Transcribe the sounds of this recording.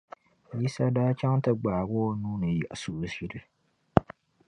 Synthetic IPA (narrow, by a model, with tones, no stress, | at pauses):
ji˦sa˦daː˦t͡ʃa˦ŋtɨ˦ɡ͡baː˨ɡɔ˦nuː˦nɨ˨ja̰˨ʔsu˨˦si˦ɾɨ˦